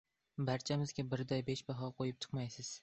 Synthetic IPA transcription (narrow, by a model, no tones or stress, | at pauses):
baɾt͡ʃʰamɪzɡʲabɪɾd̪ajbeʃbaɦɒqʰojɪp̚t͡ʃʰɨ̥qmajsɪz̥